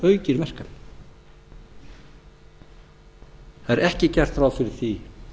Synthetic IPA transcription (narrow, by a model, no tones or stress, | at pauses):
œːɥcɪɾmɛr̥kan | θaðɛɾɛhcɪcɛr̥t̪ɾaːwfɪɾɪɾ̥θi